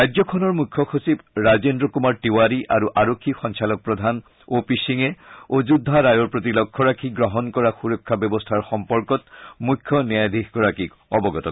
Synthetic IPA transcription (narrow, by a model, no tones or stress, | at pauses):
ajd͡ʑɔkʰɔnɔɹmukʰːɔxosibɹazendɹɔkumaɹʈiwaɾiʔaɾuʔaɹokʰːixɔnsalɔk̚pɹɔd̪ʱan | opisiŋeod͡ʒud̪ʱːaɾajɔɹpɹot̪ilɔkʰːɔɹakʰiɡɹɔɦɔnkɔɹaxuɹɔkʰːabɔbɔstʰaɹxɔmpɔɹkɔt̪̚mukʰːɔniad̪ʱixɡɔɹakik | ɔbɔɡɔt̪ɔ